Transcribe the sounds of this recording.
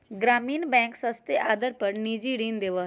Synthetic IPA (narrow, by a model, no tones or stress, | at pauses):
ɡɾaːmiːnbɛ̃ːŋksɐ̃st̪eʔaːd̪əɾpɐɾniːd͡ʒiɽiːnd̪eːʋa